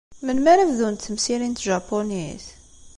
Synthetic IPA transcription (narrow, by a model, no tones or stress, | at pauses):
mənmæɾævðunt̪θəmsiɾint̪ʒɑpːoniθ